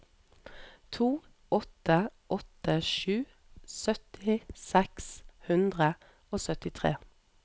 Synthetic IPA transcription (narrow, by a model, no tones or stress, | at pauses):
t̪ʰuː | ɔt̪əʔɔt̪əʃʉː | sœt̪ɪsɛkshʉnd̪ʁə | oːsœt̪ɪt̪ʰʁḛː